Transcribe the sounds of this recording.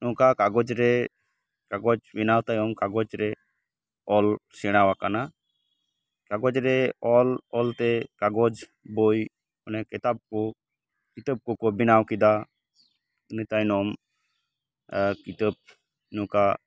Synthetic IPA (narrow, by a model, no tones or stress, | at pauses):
nɔ̃kakaɡɔd͡ʒɾɛ | kaɡɔd͡ʒbinawt̪ajɔmkaɡɔd͡ʒɾɛ | ɔlsɛɽ̃awakana | kaɡɔd͡ʒɾɛɔlɔlt̪ɛkaɡɔd͡ʒ | boj | ɔnɛkɛt̪ab̚kɔ | kit̪əb̚kɔkɔbinawkid̪a | nit̪ajnɔm | kit̪əp̚ | nɔ̃ka